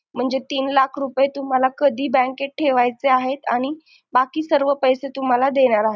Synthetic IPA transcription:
m̤əɳd͡zet̪iːnlakʰɾupjet̪um̤alakəd̪ʱiːbə̃ŋkeʈ̚ʈʰːeʋajt͡seaɦet̪aɽ̃i | bakiːsəɾʋəpəjset̪um̤alad̪eɽ̃aɾaɦe

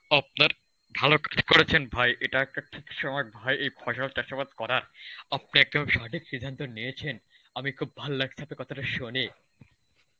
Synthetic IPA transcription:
ap̚naɾ | bʱalokad͡ʑʰkoɾet͡ɕʰenbʱajʔeʈaɛk̚ʈaʈʰikʃɔmɔek̚bʱajʔejpʰɔʃalt̪eʃapad̪̚kɔɾaɾap̚neɛk̚d̪omeʃɔʈʰikʃid̪ʱːant̪onijet͡ɕʰen | amikʰub̚ːʱallaɡ̚t͡ɕ̪ʰapekɔt̪ʰaʈaʃone

